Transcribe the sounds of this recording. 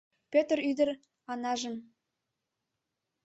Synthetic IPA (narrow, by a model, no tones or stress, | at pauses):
pʲøt̪ryd̪ə̆r | ɑnɑʒə̆m